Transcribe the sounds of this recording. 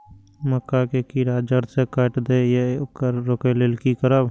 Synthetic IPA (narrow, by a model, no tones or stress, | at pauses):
məkːakekiɾaːd͡ʒəɾsekəʈd̪ejekəɾːokeleːlkikəɾəb